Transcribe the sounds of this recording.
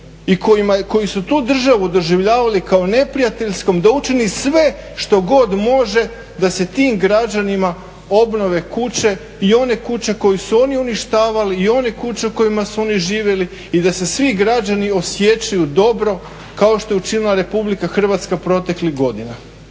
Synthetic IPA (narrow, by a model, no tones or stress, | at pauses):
ikojimako̞jisut̪uːd̪r̩ʒaʋud̪o̞ʒiʋʎaːʋalikaone̞pɾijat̪e̞ʎsko̞md̪aut͡ʃinisʋe̞ | ʃt̪o̞ɡo̞d̪mo̞ʒe̞ | d̪ase̞t̪iːmɡɾad͡ʑanima | o̞bno̞ʋe̞kut͡ɕe̞ | io̞ne̞kut͡ɕe̞ko̞jusuo̞niuniʃt̪aːʋaliːo̞nekut͡ɕeuko̞jimasuo̞niʒiːʋje̞li | id̪ase̞sʋiɡɾad͡ʑanio̞sje̞t͡ɕajud̪o̞bɾo̞ | kao̞ʃt̪o̞jeut͡ʃinilˠaɾe̞publikaxr̩ʋat̪skapɾo̞t̪e̞kliɣɡo̞d̪ina